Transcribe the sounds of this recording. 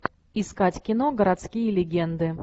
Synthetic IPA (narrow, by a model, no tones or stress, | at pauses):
ɪskatʲkʲɪnoɡəɾat̪skʲijəlʲɪɡʲɛnd̪ɨ